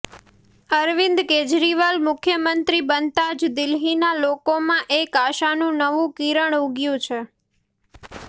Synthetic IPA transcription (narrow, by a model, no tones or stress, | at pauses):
əɾʋɪ̃nd̪ked͡ʒɾiʋalmʊkʰjəmənt̪ɾibənt̪ad͡ʒd̪ɪlɦinalokomãʔekaʃanũnəʋũkiɾəɳuɡjũt͡ʃʰe